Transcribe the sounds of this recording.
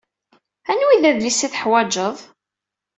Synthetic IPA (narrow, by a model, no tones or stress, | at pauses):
ænwiðæðlisiθəħwæd͡ʒəðˤ